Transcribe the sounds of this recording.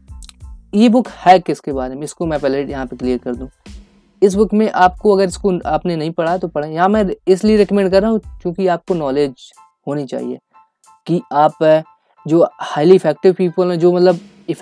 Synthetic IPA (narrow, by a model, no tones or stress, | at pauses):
jeːbʊkhɛːkɪskebaːɾemẽɪskomɛ̃pɛːlejɐɦãpekliəɾkɐɾd̪ũː | ɪs̬bʊkt̪mẽʔaːp̚koɐɡəɾɪskoaːpnenɐɦĩpɐɽat̪opɐɽajɐɦãmɛ̃ɪslieɾɛkəmɛ̃ɳɖkɐɾːaːɦũkjũːkiaːp̚konɔːleːd͡ʒ | ɦoːnit͡ʃa̰ːɦḭḛː | kiaːp | d͡ʒoːhaːɪliɪfɛːk̚ʈɪʋpiːpəlɦɛ̃d͡ʒoːmɐt̪ləb | ɪ